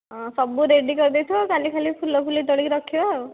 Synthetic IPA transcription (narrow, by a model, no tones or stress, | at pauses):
ɔ̃sɔbuɾeɖikɔɾid̪ejt̪ʰɔkalikʰalipʰulːɔpʰulit̪ɔɽiɾɔkʰiba